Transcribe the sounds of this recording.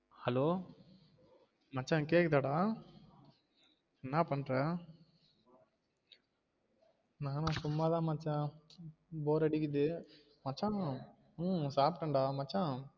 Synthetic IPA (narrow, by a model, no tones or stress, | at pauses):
hɐloː | mɐt͡ʃːãːkeːkðaɽaː | ɛnːaːpɐɳːɾẽː | naːnʊ̃sʊmːaːt̪ãːmɐt͡ʃːãː | boːɾɐɽɪkːɯt̪ɯ | mɐt͡ʃːãː | saːpʈɐɳɖaːmɐt͡ʃːã